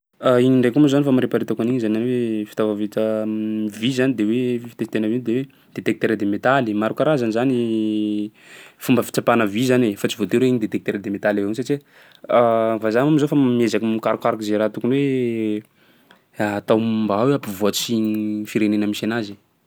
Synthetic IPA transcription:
aiɲiɳɖ͡ʐekumuzanifamaɾepaɾit̪akaniɲzananwefi̥t̪avavit͡sə | vizanid̪ewefi̥t̪efi̥t̪enəvind̪ewe | d̪̥et̪ek̚t̪eɾad̪emet̪alimaɾukaɾazanizani | fumbəfi̥t͡sapanəvizanefat͡sivot̪eɾeiɲid̪et̪ek̚t̪eɾad̪emet̪aleenisat͡ʃi | avazamamizofamiezakimikaɾukaɾukizeɾat̪ukunwe | t̪awmbaweapivoat͡siɲifiɾenenəmisanazi

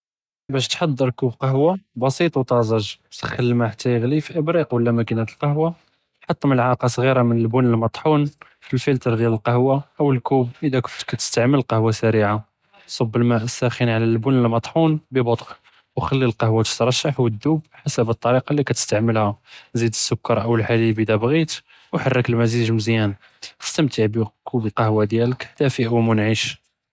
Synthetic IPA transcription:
bæʃt̪ħɑd̪ˤːəɾkubqɑɦwabɑsit̪ˤwt̪ɑzˤɑʒt̪əxəlːmæħat̪ʰːæjəɣlifiʔəbɾiqwəlːæmækinæt̪əlqɑhwa | ħɑt̪ˤːəməlʕɑqɑsˤɣiɾamənəlbʊnəlmɑt̪ˤħun | filfəlt̪əɾˤd̪jæləlqɑhwaʔəwəlkubʔəd̪ækʊft̪kæt̪ə̥st̪aʕməllqɑhwasæɾiʕa | sˤɑbːəlmæʔəsæxənʕalælbʊnəlmɑt̪ˤħunbəbot̪ˤʔ | wxælːilqɑhwat̪ə̥t̪ɾˤɑʃːaħwəd̪ːubħasəbət̪ˤːɑɾiqɑlːikæt̪ə̥st̪aʕməlhæzid̪əsːʊkːɑɾˤʔəwəlħalibəd̪æbɣit̪ | wħarːəkəlmæziʒmzjæn | ʔə̥st̪əmt̪ʰəʕbəkʰubəlqɑhwad̪jælək̪æfiʔwmʊnʕiʃ

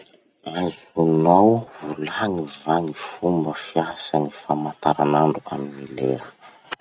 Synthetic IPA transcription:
azunawvulaŋivaŋifumbəfiaɦasanifamant̪aɾanaɳɖ͡ʐua̰minilḛɾə̥

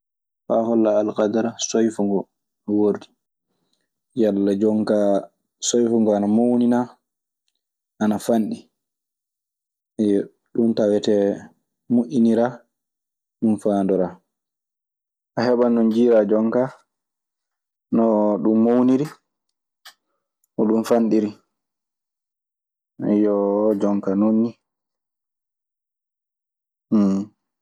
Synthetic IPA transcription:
faːhɔlːaːlkad̪aɾasojfuŋɡɔ | woɾdi | jalːad͡ʒɔŋka | sojfuŋɡɔanamownina | ʔanafanɗi | ɗumtawɛtɛ | muʔiniɾa | ɗumfandɔɾa | ʔahɛɓanɔnd͡ʒiːɾad͡ʒɔŋka | nɔɗumːowniɾi | ʔɔɗumfanɗiɾi | jɔd͡ʒɔŋkanonːi

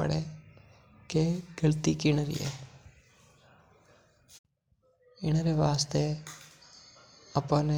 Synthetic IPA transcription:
ə̰ɽe | keɡəlt̪ikɪñəɾḭḛ | ɪnɾeʋaːst̪e | əpən

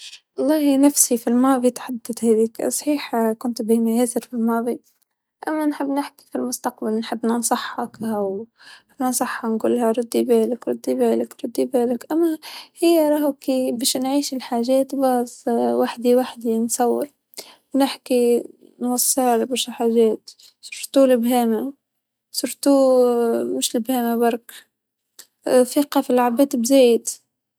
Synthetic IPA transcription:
ʔɑlˤːɑːhnafsifilmɑːvit̪ḁħad̪ːat̪haðiːksˤħiːħkʊnt̪bimajeːzɪɾfilmɑːbi | ʔamːanħɪbːnɪħki̥filmʊst̪aqbalnħɪbːnansˤɑħːɑkʔaw | ɪbnɑnsˤɑħːanɡṵlːhaɾˤʊd̪ːibeːlɪkɾˤʊd̪ːibeːlɪkɾˤʊd̪ːibeːlɪkʔamːahɪjːaɾˤɑːhkibiːʃnʕiːʃɪlħaːʒeːt̪bɑsˤwaħd̪iwaħd̪insˤɑwːɪɾ | nɪħki | nwɑsˤːɨɾbɪʃɪlħaʒeːt̪ | sʊɾt̪ulɪbɦeːma | sʊɾt̪u | mɪʃlɪbheːmabɑɾˤk | θiːqɑfilʕabeːt̪bzeːjɪt̪

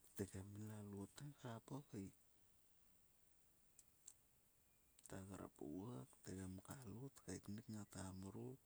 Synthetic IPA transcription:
teɡamilalutekaɾapokaj | taɡaɾa̰po̰akteɡamkalutkajtnikŋatamuɾu

